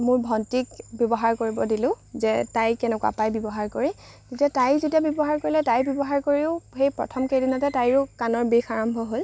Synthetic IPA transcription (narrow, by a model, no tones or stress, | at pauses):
mʊɹbʱɔntikbjɔbɔɦaɹkoɹibɔdilʊ̃ | zɛtajkɛnɛkwa̰pajbɔbɔɦaɹkoɹi | zetiatajzetiabjɔbɔɦaɹkoɹilɛtajbjɔbɔɦaɹkoɹiʊxejpɹɔ̰tʰɔmkedinɔtɛtajɹʊkanɔɹbexaɹɔmbʱɔɦol